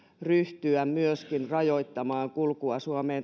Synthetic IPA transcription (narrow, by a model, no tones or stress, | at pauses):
ryht̪yæmmyøskinrɑjoit̪ːɑmɑːŋkulkuɑsuɑmeːn